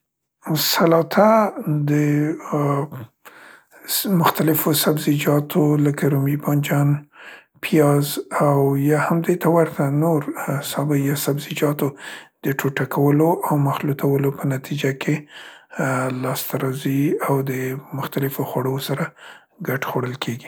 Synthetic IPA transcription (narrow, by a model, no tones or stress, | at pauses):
salɑt̪ʰad̪ə | mʊxt̪alɪfosabzid͡ʒɑt̪ʰoləkaɾumibɑnd͡ʒɑn | pʰijɑzawjɑhamd̪et̪ʰawaɾt̪ʰanoɾsɑbajɑsabzid͡ʒɑt̪od̪̥əʈʰoʈakʰawəloʔawmaxlut̪ʰawəlopənat̪ʰid͡ʒakʰe | lɑst̪aɾɑziawd̪əmʊxt̪alɪfoxwaɽosaɾa | ɡaʈxoɽəlkʰeɡi